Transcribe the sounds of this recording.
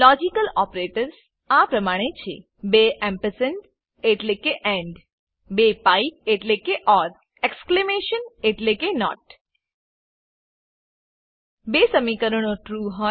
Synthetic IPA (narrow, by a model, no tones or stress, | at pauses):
lɔd͡ʒikəlɔpɾeʈəɾs | apɾəmaɽ̃et͡ʃʰḛ | beʔɛ̃mpəsənʈ | eʈlekeʔɛ̃ɳɖ | bepaip̚eʈlekeʔɔɾ | eksklemeʃəneʈlekenɔ̰ʈ | besəmikəɾənoʈɾuɦɔ